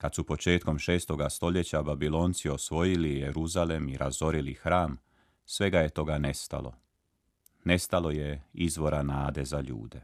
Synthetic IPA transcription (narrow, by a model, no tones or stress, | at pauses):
kad̪supo̞t͡ʃe̞ːt̪ko̞mʃe̞ːst̪o̞ɡast̪o̞ʎe̞t͡ɕababilˠo̞ːnt̪sio̞sʋo̞jilijeɾuzalemiɾʔa̰zo̞ɾilixɾaːm | sʋe̞ɡaje̞t̪o̞ɡanest̪a̰lo̰ | ne̞st̪alˠo̞jeizʋo̞ɾanaːd̪e̞zaʎṵːd̪e̞